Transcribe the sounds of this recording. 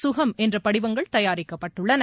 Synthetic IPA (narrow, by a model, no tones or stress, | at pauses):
sʊɣɐmʔɛndrɐpɐɽɪʋɐŋɡɐɭt̪ɐjaːɾɪkːɐpːɐʈːɯɭːɐnɐ